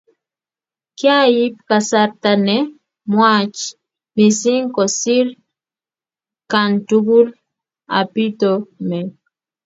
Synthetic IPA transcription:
kja˦ji˦p̚ka˨sa˨ɾta˨nɛ˦ | mwa˦t͡ʃ | mi˨si˦ŋkɔ˨si˦ɾ | ka˨ntu˦ɡu˦l | a̰˨pi˦tɔ˨mɛ˨

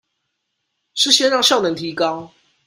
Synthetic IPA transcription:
ʂɻ̩˥ɕjɛ˥˧ɻɑ˥˧ŋʂjɑ˥˨nə˨˩ŋt̪ʰi˨˦kɑ˥˦ʊ

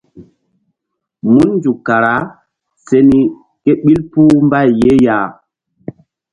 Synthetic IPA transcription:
mu˦nːnd͡ʒu˨ka˨ɾa˨˦ | se˦ni˦ | ke˦ɓi˦lpu˦mba˦jje˦ja˦˨

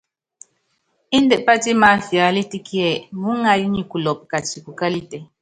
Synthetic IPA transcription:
i˦n˦dɛ˨pa˦ti˦ma˨˦fja˨˦li˦ti˦ki˦ɛ˨mu˦ŋa˨ji˦ɲi˨ku˨lɔ˨p̚ka˨t͡ʃi˨ku˨ka˦li˦tɛ˨

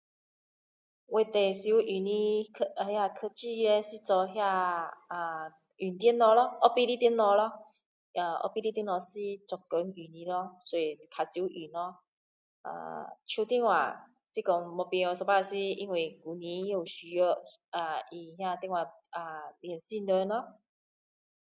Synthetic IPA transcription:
we˧t̪e˨si˧˦u˦ʔy˨˩nĩ˧˦˧hja˧kʰə˧t͡ɕi˥˧e˧si˦˧t͡sɔ˧ɦja˥˧a˧ | y˨˩nt̪jnːɔ˧lɔ˦ʔɔ˦pi˦ɾi˦˧t̪i˧˦nːɔ˧lɔ˦ | a˧˩ʔɔ̰˦pi˦˧ɾi˦t̪i˧nɔ˧si˦t͡sɔ˨˩kːə˨˦ŋy˨˩nĩ˧lɔ˦swɔ˧i˨kʰa˨si˧˦u˦˧ʔy˨˩nɔ˦ | a̰˧˨t͡ɕʰju˧t̪ji˧˥˦ŋwa̰˨˩ | si˦kɔ˧ŋmɔ˧pi˧ɔ˧sɔ˧˩pa˦˧si˦i˧ŋwi˨˩ɡu˨˩nĩ˨˦˧u˨˩ɕy˨ɔ˧a˧i˨˩hja˥˧t̪i˧˦ŋwa˨˩ | a˨˧ljɛ˨˩nsi˥˧˨nə˧nɔ˦

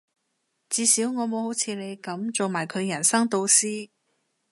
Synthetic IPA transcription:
t͡siː˨˧siː˨˥wŋɔː˨˧mo˨˧who˨˥wt͡sʰiː˨˧le˨˧jkɐ˨˥mt͡so˨wmaː˨˩jkʰɵ˨˧ɥjɐ˨˩nsɐ˥ŋt̪o˧wsiː˥

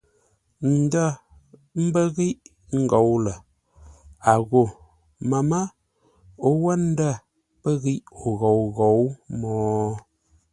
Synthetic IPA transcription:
n̩˨də˦ | m̩˦bə˦ɣi˦ʔ | ŋ̩˨ɡo˨wlə˨ | a˨ɣo˨ | mə˨mə˦ | o˦wə˦n̩˦də˦˨ | pə˦ɣi˦ʔo˨ɣo˨wɣo˨wmɔː˦

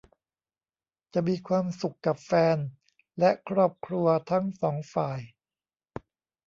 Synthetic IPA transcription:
t͡ɕa˨˩miː˧kʰwaː˧msu˨˩kːa˨˩p̚fɛː˧n | lɛ˦˥ʔkʰɾɔː˥˩p̚kʰɾu˧ɐt̪ʰa˦˥ŋsɔː˩˦ŋfaː˨˩j

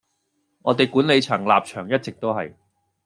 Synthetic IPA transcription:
ŋɔː˨˧t̪e˨jkuː˨˥nle˨˧jt͡sʰɐ˨˩ŋlaː˨p̚t͡ʃʰœː˨˩ŋjɐ˥t̚t͡sɪ˨k̚t̪o˥wɦɐ˨j

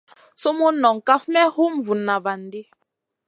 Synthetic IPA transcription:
so˦mo˦nɔ˨ŋ˨ka˦fmɛ˦hu˦ɱ˨vu˨nːa˨va˨n˨˦di˦

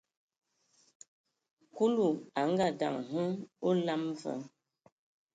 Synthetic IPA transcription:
ku˦lu˨a˨ŋ˦ɡa˦˨da̰˨ŋɦə˦o˦la˦mvə̰˦

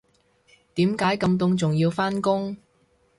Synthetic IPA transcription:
t̪iː˨˥mkaː˨˥jkɐ˧mt̪̬ʊ˧ŋt͡sʊ˨ŋjiː˧wfaː˥nkʊ˥ŋ

